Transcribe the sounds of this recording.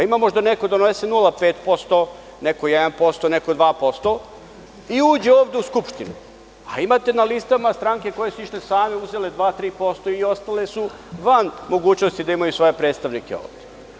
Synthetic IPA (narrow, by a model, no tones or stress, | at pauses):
aimamo̞ʒd̪aneko̞d̪onesenulape̞ːt̪po̞st̪o | neko̞jɛd̪anpo̞st̪oneko̞d̪ʋaːpo̞st̪o̞ | iuːd͡ʑe̞oːʋd̪e̞uskupʃt̪inu | a̰imat̪e̞nalist̪amast̪ɾaŋke̞ko̞je̞suiʃt̪esaːme̞uze̞led̪ʋaːt̪ɾiːpo̞st̪o̞io̞st̪ale̞su | ʋanmo̞ɡuːt͡ɕnost̪id̪aimajusʋo̞je̞pɾet̪st̪aʋnike̞o̰ːʋd̪e